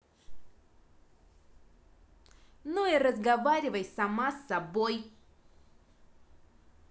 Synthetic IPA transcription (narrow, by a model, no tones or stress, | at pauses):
nuiɾəzɡɐvaɾʲɪvəjsɐmasːɐboj